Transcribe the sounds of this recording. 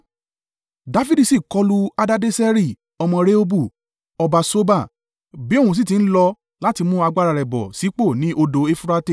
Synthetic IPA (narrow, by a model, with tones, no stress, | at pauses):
da˦fi˦di˧si˦˨kɔ˨˦lu˦a˦da˦de˦sɛ˦ɾi˦˨ | ɔ˧mɔ̃˧ɾe˦o˦bu˦˨ | ɔ˧ba˧so˦ba˦˨ | bi˨˦o˦˨ũ˧s̬i˦˨t̬ĩ˧n̩˦lɔ˧ | la˦ti˧mũ˦a˧ɡ͡ba˦ɾa˧ɾɛ˨bɔ̰˨si˨˦k͡po˦˨nĩ˨˦ʔo˧do˧e˦fu˦˧ɾa˧te˦˨